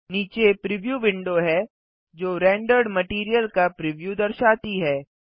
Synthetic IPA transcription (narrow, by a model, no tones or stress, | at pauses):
niːt͡ʃepɾɪʋjuːʋɪ̃ɳɖoɦɛ | d͡ʒoːɾɛ̃ːɳɖəɾɖmɐʈiːɾijəlkapɾɪʋjud̪ɐɾʃaːt̪iɦɛː